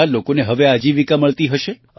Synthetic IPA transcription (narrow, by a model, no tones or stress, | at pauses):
alokoneɦəʋead͡ʒiʋikaməɭt̪iɦəʃe | ə